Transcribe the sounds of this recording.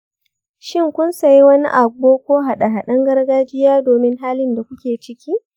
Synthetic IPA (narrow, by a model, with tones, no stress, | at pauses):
ʃɪ˦ŋkʷʊ˦nsɐ˨ji˦wɐ˦nḭ˦ʔa˨ɡoː˦kʷoː˦ɦa˨ɗa˨ɦa˨ɗɐ˦ŋɡɐ˦rɡaː˦d͡ʒɪ˦jaː˦doː˨mɪ˦ŋɦaː˦lɪ˦nda˨kʷʊ˦kʲeː˨t͡ʃɪ˦kʲiː˦